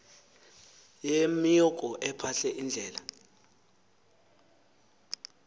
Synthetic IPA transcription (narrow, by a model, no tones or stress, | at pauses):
jemiɔkʼɔʔɛpʰaɬɛʔind͡ɮʱɛːla